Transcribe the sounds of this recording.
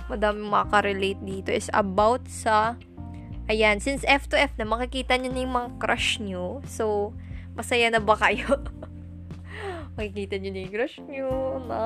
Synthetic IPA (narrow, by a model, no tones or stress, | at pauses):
mɐd̪aːmɪŋmɐɐkɐɾɛlejt̪̚d̪iːt̪o̞ʔɪsɐ̰bawt̪̚sɐ | ʔɐjansɪnsʔɛft̪ʊʔɛfnɐmɐkɪkiːt̪ɐɲonɐjmɐŋakɾʔaʃɲosow | mɐsɐjanɐbɐkɐjo | mɐkɪkiːt̪ɐɲonɐjkɾɐʃɲonɐ